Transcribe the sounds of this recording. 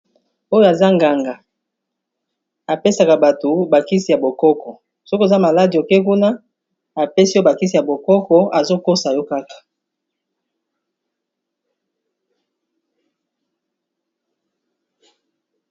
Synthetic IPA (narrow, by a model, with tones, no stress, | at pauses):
o˦jo˦˨a˨za˦ŋɡa˨ŋɡa˨ | a˨pe˦sa˨ka˨ba˨to˨ba˨ki˦si˨ja˨bo˨kɔ˦kɔ˨ | so˦ko˦˨za˦ma˨la˦di˨o˨ke˦ku˦na˦ | a˨pe˦si˦jo˦ba˨ki˦si˨ja˨bo˨kɔ˦kɔ˨a˨zo˦ko˦sa˨jɔ˦ka˦kḁ˨